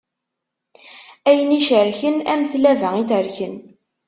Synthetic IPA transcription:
æjəniʃəɾçənæməθlævæŋiθəɾçən

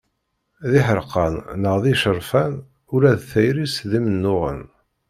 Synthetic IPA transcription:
ðiħəɾqɑnnəʁðiʃəɾˤfæn | ʊɾæðθæjɾisðimənːʊʁə̰n

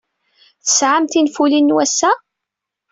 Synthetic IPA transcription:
θə̥sʕamt̪infulinːwæsːæ

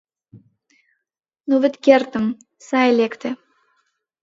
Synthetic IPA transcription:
noβɘ̆t̪kert̪ə̆m | sɑjlekt̪ĕ

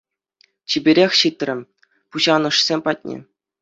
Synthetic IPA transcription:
t͡ɕibʲeɾʲexʲɕit̪rʲɘ̆ | puʑɑnɤ̆ʂsʲemʲpɑt̚ʲnʲḛ

